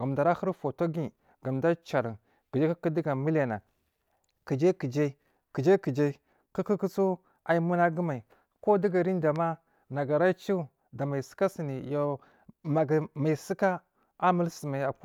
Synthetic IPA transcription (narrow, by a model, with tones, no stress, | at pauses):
ɡa˨m˨da˨ɾa˦xə˦ɾfo˨to˦ɡi˦ | ɡa˨mda˦t͡ʃa˨ɾi˨ | ki˨d͡ʒe˦ka˦ki˦di˦ɡa˨mi˦la˨na˨ | ki˨d͡ʒe˦ki˨d͡ʒe˦ | ki˨d͡ʒe˦ki˨d͡ʒe˦ | ku˦ki˦ku˦t͡su˦ | a˨ji˦mu˦na˦ɡə˦ma˨i˨ | ko˦di˦ɡa˨ɾi˦n˦da˨ma˦ | na˨ɡa˨ɾa˦t͡ʃi˦˨ | da˨ma˨si̥˦ka˦si˨ni˨jo˨ | ma˨ɡma˨i˨si˦ka˦ | a˦mi˦lsi˨ma˨a˨˦